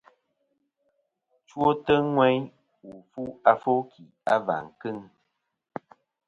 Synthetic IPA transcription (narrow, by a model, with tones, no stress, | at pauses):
t͡ʃwo˦tə˦ŋwɛ˦ɲ | wu˨fu˦a˦fo˦kʰi˨a̰˦va̰˨ŋ̩˨kɨ˦˨ŋ